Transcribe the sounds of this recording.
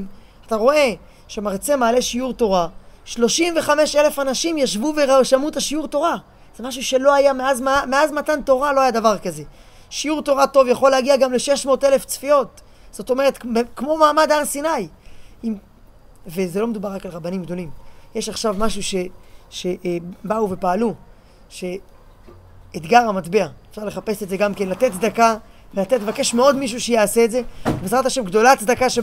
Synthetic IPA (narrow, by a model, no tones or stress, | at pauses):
m | at̪aʁo̞e̞ | ʃemaʁt͡se̞maːle̞ʃiuʁto̞ʁaʃlo̞ʃimve̞χame̞ʃe̞le̞fanaʃimjaʃvuveʁaʃamut̪aʃiuʁt̪o̞ʁa | z̥emaʃ̬uʃe̞lo̞ajameazmameazmatant̪o̞ʁalo̞ajad̪avaʁkaze̞ | ʃijuʁt̪o̞ʁato̞vjaχo̞lehaɡiaɡamle̞ʃe̞ʃmo̞ːtele̞ft͡sfio̞t | z̥o̞to̞me̞ʁe̞t̪kkmo̞maːmadaʁsinajim | ve̞zelo̞med̪ubaʁakalʁabanimɡd̪o̞limjeʃaχʃavmaʃuʃe̞ʃe̞ʔbauve̞paːlu | ʃe̞ | ed̪ɡaʁhamatbeaefʃaʁleχape̞setdze̞ɡamke̞nlat̪e̞tsd̪akavelat̪etlvake̞ʃmeo̞d̪miʃ̬uʃejaːse̞ːtdze̞bezʁat̪aʃemɡd̪o̞latt͡sd̪akaʃe